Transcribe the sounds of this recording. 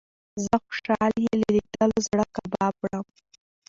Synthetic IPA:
zəxʊ̥ʃɑljelad̪id̪alozɽəkabɑpɽəm

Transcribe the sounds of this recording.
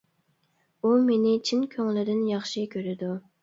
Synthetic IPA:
umenɪt͡ʃʰinkʲʰøŋlɪd̪ɪnjɑχʃikʲʰøɾɪd̪u

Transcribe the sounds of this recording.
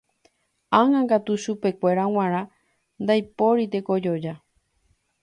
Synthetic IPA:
ãŋãŋɡat̪uʃupe̞kʷe̞ɾaw̃ãɾ̃ã | nd̪ajpo̞ɾit̪e̞ko̞d͡ʒod͡ʒa

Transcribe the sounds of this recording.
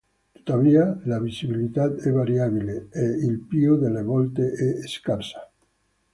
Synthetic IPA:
t̪u̥t̪aβialaβisiβilit̪at̪ɛβaɾjaβileeilpioðeleβolt̪eʔeːskaɾsḁ

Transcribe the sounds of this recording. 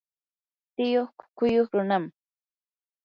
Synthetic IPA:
t̪ɪjoχkʊ̥kʊjoχɾʊnam

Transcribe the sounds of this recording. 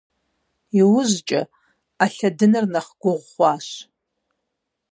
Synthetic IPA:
iwʊzt͡ʃʼa̰ | aɬadɨnɨrnaχɡ̥ʷʊʁʷχʷɑʃ

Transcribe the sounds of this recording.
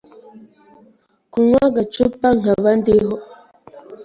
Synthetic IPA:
kuŋwaɡat͡ʃupːaŋ̥avandeɦɔ

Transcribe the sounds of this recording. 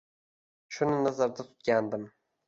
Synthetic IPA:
ʃʊnɪnazaɾd̪at̪ʰʊ̥t̪̚kʲand̪ɪm

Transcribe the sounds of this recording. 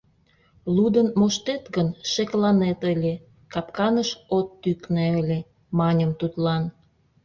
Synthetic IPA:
lud̪ənmoʃt̪et̪ɣənʃeklɑnet̪əlʲe | kɑpkɑnəʃot̪ːykneə̆lʲe | mɑnʲəmt̪ut̪lɑn

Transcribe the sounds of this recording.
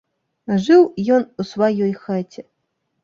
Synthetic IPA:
ʐɨwjɔnusvajɔjxat͡sʲɛ

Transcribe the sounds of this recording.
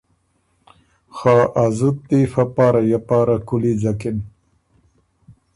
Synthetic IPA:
xaːʔazut̪̚ːifapaːɾajapaːɾakulid͡ʑakɪn

